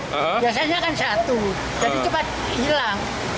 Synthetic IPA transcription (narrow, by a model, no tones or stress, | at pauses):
bias̬aɲakansat̪u | d͡ʒait͡ʃəpat̪̚ | bilaŋ